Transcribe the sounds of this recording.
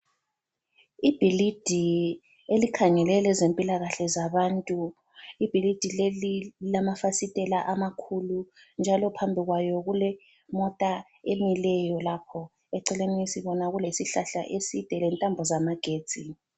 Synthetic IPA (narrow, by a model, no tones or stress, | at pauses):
ib̥ʱilid̥ʱi | elikʰaŋɛlɛlɛzempʼilaɣaɬɛzaβantʼu | ib̥ʱilid̥ʱilelilamafasitʼɛlaʔamakʰulu | nd͡ʒʱalɔpʰambʱiɣwajɔɣulɛ | mɔtʼa | emilɛjɔlapʰɔ | ɛǀɛleniisiβɔnaɣulesiɬaɬa̰ʔesid̥ʱɛlɛntʼambʱɔzamaɡ̥ʱeːd̥d͡z̥ʼʱi